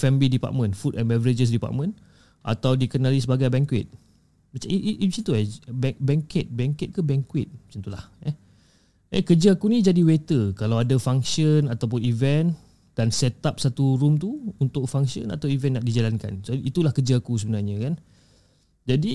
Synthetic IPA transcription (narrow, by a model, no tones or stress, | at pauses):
fɛmblidipa̰t̪̚mə̃nfutɛnmɛvəɾed͡ʒəs̬dipa̰t̪̚mə̃n | ʔa̰t̪awdikənãlisəbaɡajbɛŋkwɪt̪̚ | mat͡ʃaiʔisit̪uɛbɛbɛŋkɛt̪̚bɛŋkɛt̪̚kəbɛŋkwɪt̪̚mat͡ʃant̪ulahɛ | ɛ̰kəd͡ʒəakunĩd͡ʒadiwet̪əkalawadafaŋsiənat̪awp̬ʊnivɛn | d̥ansɛt̪ap̚sat̪uɾumt̪uunt̪ʊk̚faŋsiə̰na̰t̪awivɛ̃nːaʔdid͡ʒalanka̰nsoit̪ulahkəd͡ʒəakus̬əbənarɲə̃kan | d͡ʒadi